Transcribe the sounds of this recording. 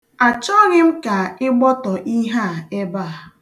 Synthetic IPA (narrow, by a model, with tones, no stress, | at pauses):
a˨t͡ʃɔ˦ɣɪ˦m̩˦ka˨ɪ˦ɡ͡bɔ˦tɔ˨ʔi˦ɦa˦˨e˦ba˦˨